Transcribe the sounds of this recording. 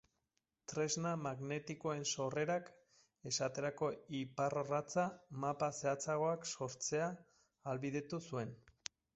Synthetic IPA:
t̪ɾe̞znamaɣne̞t̪iko̞e̞nso̞re̞ɾak | e̞sat̪e̞ɾako̞iparorat͡samapase̞at͡saɣo̞akso̞ɾt͡se̞aː | lβiðe̞t̪usue̞n

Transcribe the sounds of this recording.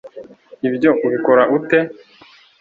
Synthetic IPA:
ibjo̞ʔuβiko̞ɾaʔute̞

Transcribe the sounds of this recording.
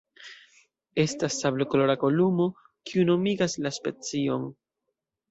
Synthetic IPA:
e̞stasːablokolo̞ɾako̞lumo̞ | kiuno̞miɡaslaspe̞t͡sio̞n

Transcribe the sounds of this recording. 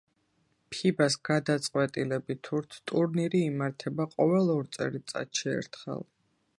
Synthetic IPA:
pʰibasɡ̥ad̪at̪sʼqʼwɛt̪ʼilɛbit̪ʰuɾt̪ʰt̪ʼuɾniɾiːmaɾt̪ʰɛbaqʼɔvɛlˠɔɾt̪sʼɛ̰ɾit̪sʼa̰t̪ʃiɛ̰ɾt̪ʰχɛ̰lˠ

